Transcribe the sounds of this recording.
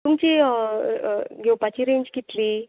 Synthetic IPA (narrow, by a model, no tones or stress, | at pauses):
t̪umt͡ɕi | ɡʱewpat͡ɕiɾeɲd͡ʑkit̪liː